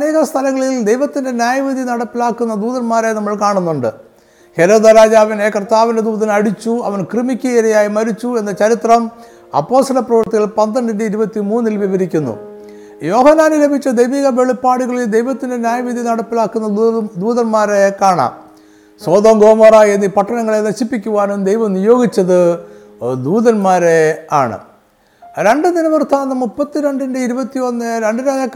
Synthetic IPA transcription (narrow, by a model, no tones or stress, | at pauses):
ɐneːɣɐst̪ʰɐlɐŋːɐɭild̪ejʋɐt̪ːinde̞njaːjɐʋid̪ʱinɐɽɐpːilaːkːunːɐd̪uːðɐnmaːɾenɐmːɐɭkaːɳunːuɳɖɨ̰ | he̞ɾo̞ːd̪ɐɾaːd͡ʑaːʋɐneːkɐrt̪aːʋinded̪uːðɐnɐɽit͡ɕːuɐ̰ʋɐnkrɨmikʲːɐiɾɐjaːjimɐɾit͡ɕːue̞nːɐt͡ɕɐɾit̪rɐm | ɐ̰pːo̞ːst̪ɐlɐprɐʋɐrt̪ːiɣɐɭpɐnd̪ɐɳɖenɖiiɾubɐt̪ːimuːnːilʋiʋɐɾikʲːunːṵ | jo̞ːhɐnːaːnilɐbʱit͡ɕːɐd̪ejʋiːɣɐʋe̞ɭipːaːɽuɣɐɭild̪ejʋɐt̪ːindenjaːjɐʋid̪ʱjinɐɽɐpːilaːkːunːɐd̪uːðɐnmaːɾekaːɳa̰ːm | soːd̪oːŋɡoːmɐraːjenːipɐʈːɐnɐŋːɐɭenɐɕipːikʲːuʋaːnɨmd̪e̞jʋɐmnijo̞ːɡit͡ɕːɐðɨ | d̪uːðɐnmaːɾe̞aːɳɨ̰ | ɾe̞ɳɖɨd̪inɐʋɐrt̪ʰaːnːɐmːupːɐt̪ːiɾeɳɖeɳɖɨiɾubɐt̪ːio̞nːɾeɳɖɨɾaːjɐkː